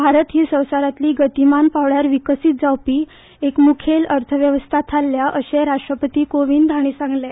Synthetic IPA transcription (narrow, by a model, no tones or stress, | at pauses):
bʱaɾət̪ɦiːsə̃w̃saɾat̪liːɡət̪imanpaʋɽjaɾʋikəsit̪̚d͡zawpiː | ekmukʰeləɾt̪ʰəʋjəʋəst̪ʰat̪ʰalːjaʔəɕeɾaʂʈɾəpət̪iːkoʋiːnd̪ʱaɽ̃iːsãŋɡle